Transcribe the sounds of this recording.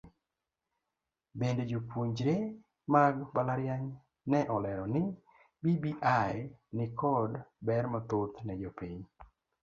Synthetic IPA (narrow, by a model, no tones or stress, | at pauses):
bended͡ʒopwuɲd͡ʒɾe | maɡbalaɾjaɲ | nɛʔɔlɛɾɔnɪ | bibiʔajnɪkʰɔdbɛɾmɔt̪ot̪nɛd͡ʒɔpiɲ